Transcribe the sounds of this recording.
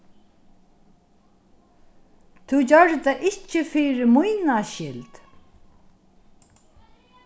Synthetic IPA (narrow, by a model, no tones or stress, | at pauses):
t̪ʰud͡ʑœɾt̪aʔɪht͡ʃːɪfiːɾɪmʊjnaʃɪlt̪